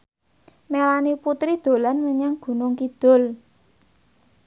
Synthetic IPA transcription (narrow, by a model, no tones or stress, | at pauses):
melaniput̪ɾid̪̥o̤lanməɲaŋɡ̥ṳnʊŋkid̪̥ʊ̤l